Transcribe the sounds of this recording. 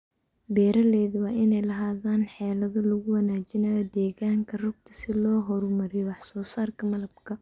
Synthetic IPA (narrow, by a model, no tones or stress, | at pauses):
bɛːɾɐlɛːðʊwɑːʔɪnɛjlɐɦaːðaːnħɛːlɐðʊlʊɣʊwɑnaːt͡ʃɪnɐjɐd̪ɛːɣaːŋkʰɐrʊɡ̚t̪ʰɐ̥sɪlɔːɦɔɾmɐɾɛjwɑħsɔːsaːrkʰɐmɐlɐbkʰɐ